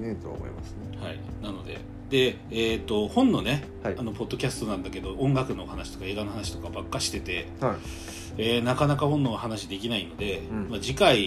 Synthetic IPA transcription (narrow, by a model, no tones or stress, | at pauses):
et̪o̰mo̰ḭma̰sehaḭnano̞d̪e̞̰ | d̪e̞ | eːt̪ːo̞hõ̞nːo̞ne̞ | aano̞po̞d̪ːo̞kʲasɨ̥t̪o̞nãnd̪ake̞d̪o̞ʔõ̞ŋɡakɯ̟no̞hanaɕi̥t̪o̞̥kae̞ːɡano̞hanaɕi̥t̪o̞kabakːaɕi̥t̪e̞t̪e̞ | a | eːnakanakahõ̞nːo̞βahanaɕid̪e̞kʲinaino̞d̪e̞mad͡ʑikai